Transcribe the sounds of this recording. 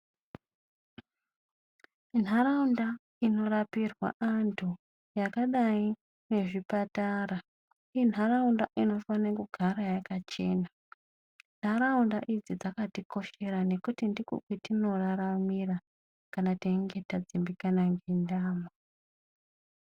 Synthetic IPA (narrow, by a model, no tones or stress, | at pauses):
n̤aɾaunda | ino̞rapirwa̰ʔantʰu | jakaɗai | ne̞ʐipatara | in̤araundaʔino̞fanekuɡʱaɾajakat͡ʃe̞ːna | n̥̤araundaʔid͡zid͡zakatiko̞ʃe̞ɾane̞kutindikṵkwetino̞raɾamira | kanateŋɡe̞tad͡zimbikanaŋɡendaːma